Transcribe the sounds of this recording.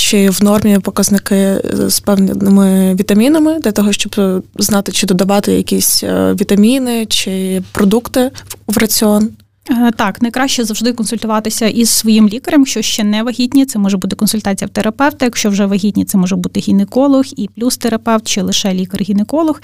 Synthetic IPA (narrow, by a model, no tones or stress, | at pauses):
t͡ʃɪʋnɔrmʲipɔkɐznɪkɪspɛwnʲnɪmɪʋʲit̪ɐmʲinɐmɪd̪lʲɐt̪ɔɦɔʃt͡ʃɔbznɑt̪ɪt͡ʃɪd̪ɔd̪ɐʋɑt̪ɪjɐ̰kʲisʲʋʲit̪ɐmʲinɪt͡ʃɪpɾɔd̪ukt̪ɪʋrɐt͡sʲɪɔn | t̪ɑknɐjkɾɑʃt͡ʃɛzɐwʒd̪ɪkɔnsʊlʲt̪ʊʋɑt̪ɪsʲɐʔizsʋɔjimlʲikɐɾɐmʃt͡ʃɔʃt͡ʃɛnɛʋɐɦʲid̪ʲnʲit̪sɛmɔʒɛbut̪ɪkɔnsʊlʲt̪ɑt͡sʲijɐwt̪eɾɐpɛwt̪ɐjɐkʃt͡ʃɔwʒɛʋɐɦʲid̪ʲnʲit̪sɛmɔʒɛbut̪ɪɦʲinɪkɔlˠɔxiplʲust̪eɾɐpɛwt̪̚t͡ʃɪlˠɪʃɛlʲikɐrɦʲinɪkɔlˠɔx